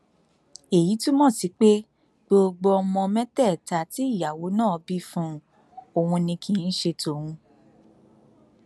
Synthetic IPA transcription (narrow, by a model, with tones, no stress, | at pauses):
e˨ji˨˦tũ˦mɔ̃˦˨si˨˦k͡pe˦ | ɡ͡bo˧ɡ͡bo˧ɔ˧mɔ̃˧mɛ̃˦tɛ˦˨ta˨ti˦i˦˨ja˨wo˨˦nã˦˨ɔ˨˧bi˦fũ˦ | o˧wũ˧nĩ˧kʰĩ˨˦n̩˦ʃe˧to˨wũ˧